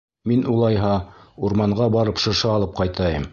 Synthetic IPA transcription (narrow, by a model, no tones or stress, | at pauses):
minulˠɑjɦɑuɾmɑɴɢɑbɑɾɤpʃɤ̆ʃɑːlˠɤp̚qɑjt̪ɑjɤm